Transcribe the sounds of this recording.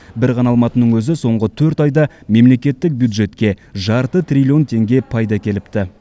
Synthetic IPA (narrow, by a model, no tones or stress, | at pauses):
bɪɾqʰɑnɑlˠmɑt̪ənəɴwɵzɪso̞ɴʁət̪ʰɵɾt̪ɑjd̪ɑme̞mle̞kʲe̞t̪ːɪk̚bjuwd̪ʒe̞t̪kʲe̞ʒɑɾt̪ət̪rʲilʲio̞nt̪ʰe̞ŋɡʲe̞pʰɑjd̪ɑkʲʰe̞lɪpt̪ɪ